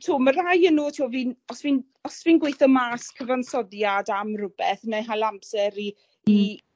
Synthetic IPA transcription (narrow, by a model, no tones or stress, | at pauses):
tʰuːmərajənuːtʰiwviːnɔsviːn | ɔsviːnɡwejθɔmaːskʰəvansɔðjadamrʊbɛθneɦalˠampsɛɾiː